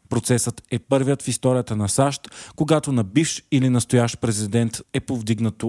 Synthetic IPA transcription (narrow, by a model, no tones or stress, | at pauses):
pɾot̪sɛsət̪ɛpɤɾvijət̪fist̪ɔɾijət̪ənɐsaʃt̪koɡat̪onɐbifʃilinɐst̪ojaʃt̪pɾɛzid̪ɛnt̪ɛpovd̪iɡnət̪